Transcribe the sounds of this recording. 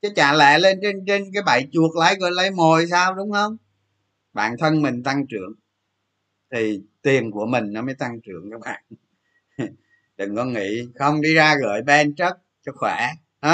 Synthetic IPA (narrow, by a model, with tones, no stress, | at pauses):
t͡ɕə˨˦t͡ɕa̰ː˧˩lɛ̰˧˨le˧nt͡ɕe˧nt͡ɕe˧nk̬aː˨˦jɓa̰˧˨jt͡ɕu˨˩ək̚la̰˧˨˥jɣəː˧˨˩jlə˧˩jmo˨˩jsaː˧wɗʊ˨˦wŋ͡mhə˧wŋ͡m | ɓa̰ː˧˨nt̪ʰə˧nmï˨˩ŋ̟t̪a˧ŋt͡ɕɨ̰˧˩˨əŋ | t̪ʰi˨˩t̪i˨˩ənku˧˩əmï˨˩ŋ̟nɔ˨˦məː˨˦jt̪a˧ŋt͡ɕɨ̰˧˩əŋkaː˦˥k̚ɓa̰ː˧˨n | ɗɨ˨˩ŋkɔ˨˦ŋḭ˧˥˨xə˧wŋ͡mɗi˧zaː˧ɣə̰ː˧˨˩jɓɛ˧nt͡ɕə˦˥t̚sə˦˥k̚xwɛ˧˩ | ha˨˦